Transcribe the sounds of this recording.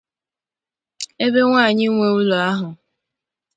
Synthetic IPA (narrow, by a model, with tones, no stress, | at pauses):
e˦be˦ŋʷaː˦˨ɲɪ˦ŋʷe˨u˦lo˨a˦ɦʊ˨